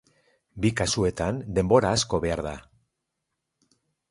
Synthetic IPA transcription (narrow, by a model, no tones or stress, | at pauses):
bikasue̞t̪and̪e̞mbo̞ɾaːsko̞βe̞aɾða